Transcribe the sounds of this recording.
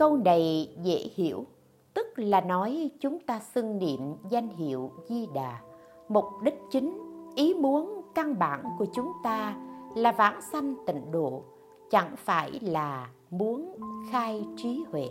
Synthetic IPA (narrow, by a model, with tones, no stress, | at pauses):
kə˧wnə˨˩jzḛ˧˥hḭ˧˩˨əw | t̪ɨ˦˥k̚laː˨˩nɔ˨˦jt͡ɕʊ˨˦ŋ͡mt̪aː˧sɨ˧ŋnḭ˧˨əmza˧jŋ̟ɦḭ˧˨əwzi˧ɗaː˨˩ | mʊ˨˩k͡p̚ɗï˦˥k̟̚t͡ɕï˨˦ŋ̟ʔi˨˦mu˨˦ənka˧ŋɓa̰ː˧˩nku˧˩ət͡ɕʊ˨˦ŋ͡mt̪aː˧laː˨˩vaː˧˩nsa˧jŋ̟t̪ḭ̈˧˨ŋ̟ɗo̰˧˨ | t͡ɕa̰˧˩ŋfaː˧˩jlaː˨˩ | mu˨˦ənxaː˧jt͡ɕi˨˦hwḛ˧˨